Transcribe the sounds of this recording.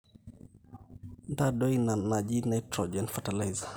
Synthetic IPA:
ndadɔinanad͡ʒinajtɾɔd͡ʒɛnfatalajza

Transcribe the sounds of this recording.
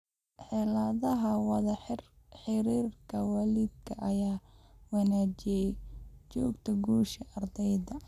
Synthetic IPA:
ħɛlɐðɐɦɐwɑðɐħɪr | ħɪɾiːrkʰɐwɑːlid̪̚kʰɐʔɐjaːwɑnaːt͡ʃɪjɛt͡ʃɔːɡt̪ʰɐɡuːʃɐʔɐrd̪ɛjðɐ

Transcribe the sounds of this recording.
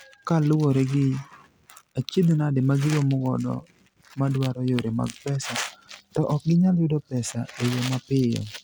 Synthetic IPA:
kalʊwoɾeɡɪ | at͡ʃid̪nadɪmaɡɪwomʊɡɔdɔ̰ | madwaɾɔjoɾema̰ɡpɛsatɔʔɔk̚ɡɪɲaljʊdɔpɛsaejomapɪjɔ̰

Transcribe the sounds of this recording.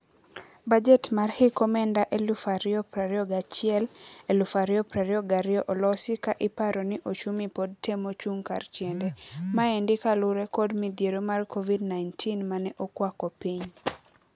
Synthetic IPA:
bad͡ʒɛtmarhɪkɔmɛndaʔelufaɾɪɔpɾaɾɪɔɡat͡ʃɪɛlelufaɾjɔpɾaɾɪɔɡaɾɪɔʔɔlɔsɪkaʔɪpaɾɔnɪʔot͡ʃumipod̚temot͡ʃuŋka̰rt͡ʃjɛndɛmaɛndɪkalʊɾɛkɔdmid̪jeɾomarkʰovidnajntʰinmanɛʔokwakɔpiɲ

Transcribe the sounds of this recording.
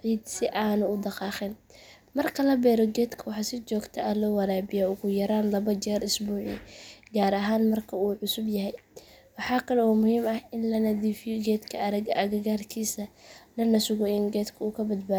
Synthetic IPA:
ʕiːd̪sɪʔaːnʊʊd̪ɑqɑːχɪn | mɐrkʰɐlɐbɛːɾɔɡɛːd̪kʰɐwɑħɑsɪt͡ʃɔːɡt̪ʰɐʔɐlɔːwɐɾaːbɪjɔʊɣʊjɐɾaːnlɐβɐt͡ʃɛːrɪsbuːʕḭɡaːɾɐɦaːnmɐrkʰɐuːʕʊsʊbjɐɦɛj | wɑħɑːkʰɐlɛɔːmʊhiːmɐhɪnlɐnɐd̪iːfɪjɔɡɛːd̪kʰɐɐɾɐɡɐʔɐɣɐɣaːrkʰiːsɐlɐnɐsʊɣɔɪnɡɛːd̪kʰɐuːkʰɐbɐd̪baː

